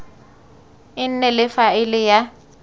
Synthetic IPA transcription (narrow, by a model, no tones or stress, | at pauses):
ɪn̩nɛlɪfaɪlɪja